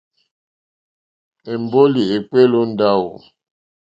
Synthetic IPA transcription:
e˨m˨bo˦li˨e˨k͡pe˦lo˦n̩˦da˦˨wo̰˨

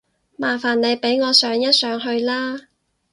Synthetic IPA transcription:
maː˨˩faː˨˩nne˨˧jpe˨˥jŋɔː˨˧sœː˨˧˥ŋjɐ˥t̚sœː˨˥ŋɦɵ˧ɥlaː˥

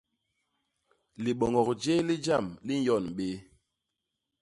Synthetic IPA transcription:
li˨ɓɔ˨ŋɡɔ˨kd͡ʒe˦li˦d͡ʒa˦˨mli˦n̩˦jɔ˦˨nɓe˦

